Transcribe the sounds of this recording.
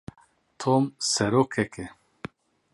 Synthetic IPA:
t̪ʰomsɛɾokʰɛkʰɛ

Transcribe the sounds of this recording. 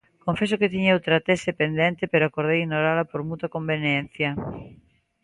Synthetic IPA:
kõɱfesoket̪iɲeowt̪ɾat̪esepend̪ẽnt̪epeɾoakoɾðejinoɾalapoɾmut̪akombenjen̟θja

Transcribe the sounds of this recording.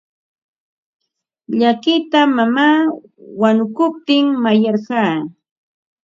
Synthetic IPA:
ʎakɪt̪amamaː | wanʊkʊp̚t̪ɪŋmajɑɾɢɑː

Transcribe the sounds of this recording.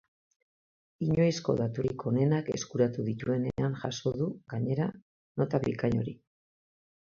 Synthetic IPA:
iɲo̞jsko̞̰ðat̪uɾiko̞ne̞nake̞̰skuɾat̪uðit̪ue̞ne̞anʝaso̞ðuɡaɲe̞ɾa | no̞t̪aβikaɲo̞ɾi

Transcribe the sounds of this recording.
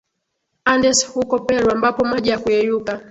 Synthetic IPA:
andɛshukɔpɛɾwambapɔmaʄijakuɛjuka

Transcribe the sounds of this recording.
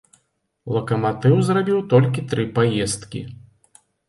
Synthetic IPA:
lˠɐkɐmat̪ɨwzrabʲiwt̪ɔlʲkʲit̪ɾɨpajɛst̪kʲḭ

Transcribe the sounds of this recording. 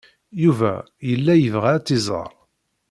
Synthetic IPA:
juvæ̰ | jəlːæjəvʁaɾæt͡s̪ːizˤə̰ɾˤ

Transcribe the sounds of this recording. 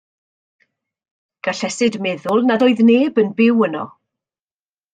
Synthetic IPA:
ɡ̥aɬɛsɪdmɛðʊlˠnadoːɨðneːbənbɪwənɔ̰

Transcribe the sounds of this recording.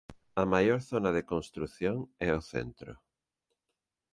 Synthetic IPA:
ɐmajoɾθonaðekonst̪ɾuθjoŋɛoθḛnt̪ɾo̰

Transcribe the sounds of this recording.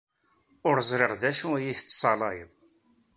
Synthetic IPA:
ʊɾzˤɾɪʁðæʃuæjiθt͡s̪ːsˤɑlɑjə̰ðˤ

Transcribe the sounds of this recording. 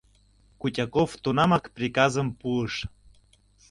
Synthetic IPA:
kutʲɑkoft̪unɑmɑkprʲikɑzəmpuəʃ

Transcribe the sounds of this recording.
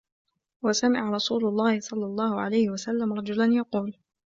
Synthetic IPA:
wasamɪʕɾˤɑsuːlʊlˤːɑːhɪsˤɑlːɑlˤːɑːhʊʕa̰lajhɪwasalːamɾˤɑd͡ʒʊlanjɑquːl

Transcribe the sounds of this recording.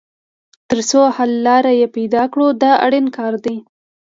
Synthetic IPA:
t̪əɾsohalːɑɾajepajd̪ɑkɽod̪əa̰ɽinkɑɾd̪i

